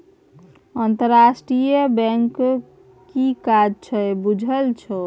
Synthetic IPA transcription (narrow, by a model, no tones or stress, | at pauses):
ənt̪əɾːasʈɾijəbɛ̃ŋk | kikad͡ʒt͡ʃʰəbud͡ʒʱəlt͡ʃʰə